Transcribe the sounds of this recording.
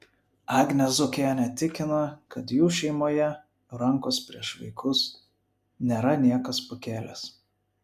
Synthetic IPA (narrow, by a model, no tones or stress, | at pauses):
ɑːɡnʲɛzʊkʲenʲɛt̪ʲɪkʲɪnɐkɐt̪juːʃʲɛɪmoːjɛ | ɾɐŋkoːspʲɾʲiɛʃʋɐɪkʰʊs | nʲeːɾɐnʲiɛkɐspokʲeːlʲes